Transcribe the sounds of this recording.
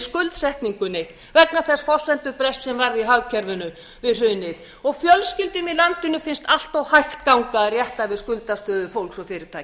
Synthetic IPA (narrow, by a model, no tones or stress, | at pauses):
skʏlt̪sɛht̪niŋkʏnɪ | vɛknaθɛsfɔ̥sɛnt̪ʏpɾɛst̪sɛmvaɾðiɦawcʰɛɾvʏnʏ | vɪðr̥ʏːnːɪð | ɔɣfjœlscɪlt̪ʏmilant̪ɪnʏfɪnst̪al̥t̪ɔwhajxt̪kawŋkarjɛht̪avɪðskʏlt̪ast̪œːðʏfowlksɔfɪɾɪɾ̥t̪ʰaːj